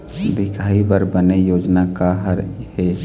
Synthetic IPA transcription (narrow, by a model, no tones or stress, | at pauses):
d̪ɪkʰaːibəɾbənejoːd͡ʒnakaɦəɾhe